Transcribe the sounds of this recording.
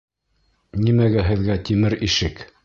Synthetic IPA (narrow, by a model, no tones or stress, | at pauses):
nimæɡæɦɘ̆ðɡæt̪imɘɾiʃɘk